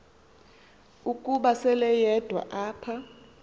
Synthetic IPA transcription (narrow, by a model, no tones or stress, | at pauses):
ukʼuɓasɛlɛjɛd̥ʱwa̰ʔaːpʰa